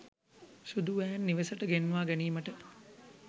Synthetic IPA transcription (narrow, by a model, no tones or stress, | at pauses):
ʃud̪uʋæːnːiʋesəʈəɡenːʋaːɡæniːməʈə